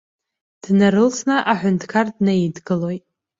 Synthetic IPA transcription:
d̥naɾɨlsʰnɨʔaħʷʊntʰkʰardnaidɡɨlo̞jtʼ

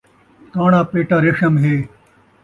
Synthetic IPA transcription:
kaːɽãːpeːʈaːɾeʂɐmɦeː

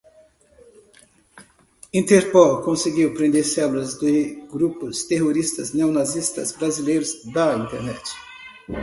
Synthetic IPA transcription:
ĩnt̪eɾpɔlkõseɡiwpɾẽnd̪eɾsɛlulɐzd̪ɪɡɾupʊst̪eɦoɾist̪ɐzneonazist̪ɐ̰zbɾazilejɾʊzd̪ɐĩnt̪eɾnɛt͡ʃɪ̥

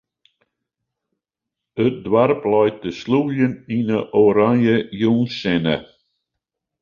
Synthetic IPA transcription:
ət̚dwarplɔjt̚dəslujəninəʔoːɾanjəjuːnsɛnə̰

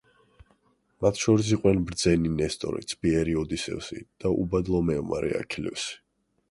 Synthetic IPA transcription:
mat̪ʰʃɔɾis̬iqʼwɛnbɾd̪zɛninɛst̪ʼɔ̰ɾḭt̪sʰbiɛɾiɔd̪isɛ̰vsḭd̪̥aʔṵbad̪lˠɔmɛɔma̰ɾɛ̰a̰kʰilɛ̰fsi̥

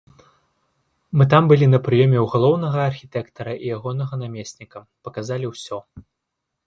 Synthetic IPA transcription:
mɨt̪̬ambɨlʲinɐpɾɨjɔmʲɛwɣalˠɔwnɐɣɐːrxʲit̪ɛkt̪ɐɾɐʔijaɣɔnɐɣɐnamʲesʲnʲikɐ | pɐkazalʲiwsʲɔ

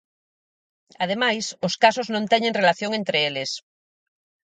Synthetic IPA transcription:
að̞emajsʊskasoznõnt̪ɛɲẽŋrelaθjoŋent̪ɾeelɪs

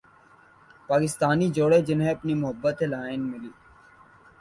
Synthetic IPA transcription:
paːkɪst̪aːnid͡ʒoːɽed͡ʒɪnɦẽɐpnimʊɦəbːət̪elaːɪnmɪliː

